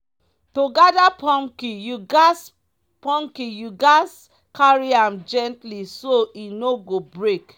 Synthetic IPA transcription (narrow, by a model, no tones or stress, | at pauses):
toɡadapɔ̃ŋkijuɡs | pɔ̃ŋkijuɡas | kaɹiãmd͡ʒɛ̃ntlisoinoɡobɹek